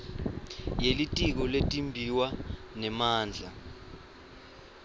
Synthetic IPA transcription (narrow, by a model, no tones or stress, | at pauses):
jelitʼik̬ɔletʼimbʱiwanɛmaːnd͡ɮʱa